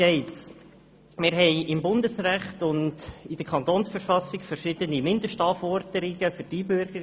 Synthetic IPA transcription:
ɛɪtt͡s | mɪɾɦɛɪɪmbʊndəsɾæχt̪ʊndɪd̥əkʰɑnt̪oːnsfəɾfɑsɪɡfəɾʃɪd̪ənimɪndəʃtɑːfɔɾd̥əɾɪɡəfyɾd̥ibøɾɡə

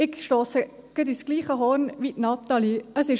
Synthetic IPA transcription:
ɪkʃtoːsə | ɡ̥əd̪isɡ̥liːχəɦɔːnʋitnɑt̪ɑliəsɪʃ

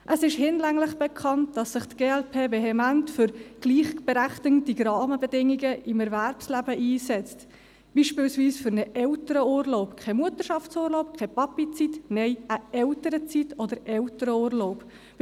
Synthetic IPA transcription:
ʔəsɪʃhɪnlæŋlɪχb̥ɛkʰɑnt̚d̥ɑsːɪχtɡ̥eːɛlpʰeːveɦɛmæntfʏɾɡ̥liːχb̥eɾæχtɪŋtiɡɾɑːməbedɪŋiɡəɪmɛɾvæɾpslæbəʔiːsɛt͡st | b̥iːʃpɪːlsviːsfʏɾnəʔɛltəɾəuːɾloʊpkʰɛmuətəʃɑft͡suːɾloʊpkʰepɑpit͡sitnɛɪəɛltəɾət͡sitɔdəɾɛltəɾəuːɾloʊp

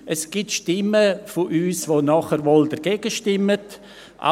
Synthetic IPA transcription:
ʔɛsɡ̥itʃtɪməfʊʔyːsʋonɔχəɾʋoldəɾɡeɡ̥əʃtɪmːət | ʔa̰

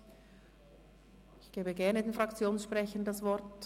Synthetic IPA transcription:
ɪçɡ̥eːbəɡɛɐnədeːnfʁakt͡sjoːnsʃpʁ̥ɛçəndasvɔɐt

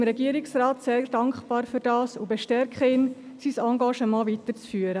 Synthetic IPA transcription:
mɾɛɡiːəɾɪksrɑːtseːɾd̥ɑŋkχpɑːɾfyːɾdɑːsubɛʃtɛɾkχəɪn | sisɑŋɡɑʃəmɑːvit̪əɾt͡sfyːəɾə

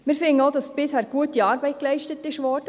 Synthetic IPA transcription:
mɪːɾfɪŋəoʊdɑsb̥ɪshæːɾɡ̥uətiɑːɾbɛɪt̚klɛɪʃtətɪʃʋɔɾd̥ə

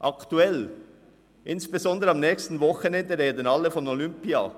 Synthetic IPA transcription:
ʔɑkt̪uɛl | ʔɪnsb̥ezɔnd̪əɾəɑmnɛːçstn̩vɔxənɛnd̪əɾeːd̪ənɑlːəfɔnɔlʏmpiɑ̰

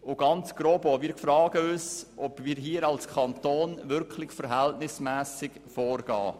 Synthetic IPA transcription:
ʊɡɑnt͡sɡ̥ɾoːbɔmiːɾkfɾɑːɡ̥əøːsʔɔbmiːɾɦiːəɾɑlskʰɑnt̪oːnvʏɾkʰlɪçfɛɾɦɛltnɪsmæːsɪɡ | fɔːɾɡ̥ɑ̰ː

